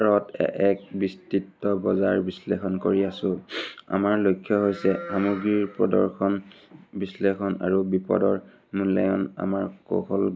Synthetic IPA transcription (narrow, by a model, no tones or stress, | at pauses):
ɹɔtɛ̰ɛk̚bistitːɔbɔzaɹbislexɔnkoɹiasʊ̃a̰maɹlojkʰːjɔɦojsɛxamuɡɹiɹpɹɔdɔɹxɔnbislexɔna̰ɹubipɔ̰dɔɹ | mulɛ̰jɔ̰na̰maɹko̰kɔl